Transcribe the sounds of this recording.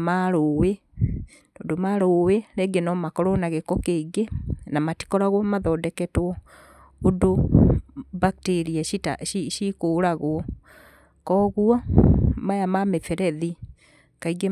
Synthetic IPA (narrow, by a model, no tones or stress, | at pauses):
maɾowe | noːndomaɾoweɾeɡenɔmakɔɾɔnaɣekɔkeɡenamati̥kɔɾaɣwɔmaðɔdɛkɛtwɔ | odo | bak̚teɾiaʃita̰iʃikoɾaɣwɔ | kɔɣwamajamamefɛɾɛði | kaiɡe